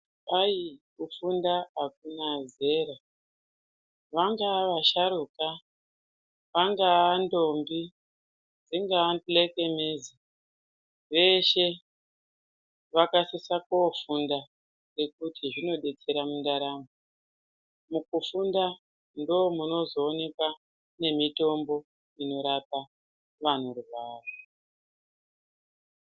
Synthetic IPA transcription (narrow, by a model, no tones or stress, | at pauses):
ajikufundaak̚unaze̞ɾa | ʋaŋɡaʋaʃaɾuka | ʋaŋɡaando̞mbi | d͡ziŋɡaantleke̞mezi | ʋe̞ʃe̞ | ʋakasisakofunda | re̞kutʰiʐino̞ɗe̞t͡se̞ɾamundaɾamu | mukufunda | ndo̞muno̞zo̞ːne̞kwa | ne̞mito̞mbo̞ | ino̞ɾapa | ʋan̤urubʱaːro